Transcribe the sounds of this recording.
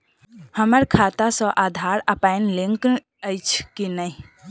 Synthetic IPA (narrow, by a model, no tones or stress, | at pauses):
həməɾkʰat̪asə̃ʔad̪ʱaɾəpaɪnlẽŋkn | əɪt͡ʃʰkinəɪ